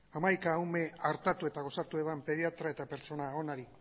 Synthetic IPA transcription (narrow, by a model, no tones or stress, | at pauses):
amajkaːwme̞aɾt̪at̪ue̞t̪aɣ̞o̞sat̪ueβampe̞ðiat̪ɾae̞t̪ape̞ɾt͡ʃo̞nao̞naɾi